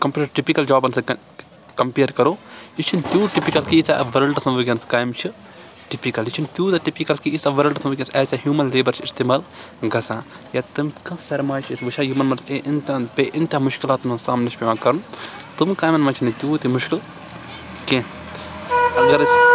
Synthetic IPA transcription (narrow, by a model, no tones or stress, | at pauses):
kɐmpʲjuːʈɐɾʈipikɐld͡ʒaːbɐnsɐ | kɐmpiːɾkɐɾoːit͡ʃʰint̪juːʈipikɐlkiisa̰ʋɐɾɐlʈɐsʰmʋɐɡʲɐnskaːjmt͡ʃʰi | ʈipikɐlit͡ʃʰint̪ʲjuːt̪ɐʈipikɐlkiisaʋɐɾɐlɖɐsʰɐmʋɨɡʲɐnsɛːsʲaɦjuːmɐnleːbɐɾt͡ʃʰist̪eːmaːl | ɡɐsãː | jat̪ɨmkɐ̃sɐɾmaːt͡ʃʰisʋɨʃʰaːjumɐnmɐnseʔint̪ʲãnpʲeʔint̪ʲãːmʊʃkilaːt̪nɐsaːmnit͡ʃʰʲpʲeʋãːkɐɾnt̪umkaːjmɐnmɐt͡ʃʰinit̪ʲjuːt̪imʊʃkil | kẽ | ɐɡɐɾs